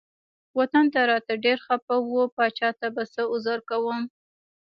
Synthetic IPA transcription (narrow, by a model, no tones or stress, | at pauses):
wat̪ant̪aɾɑt̪aɖeɾxapawopɑt͡ʃɑt̪abasəʊzaɾkawəm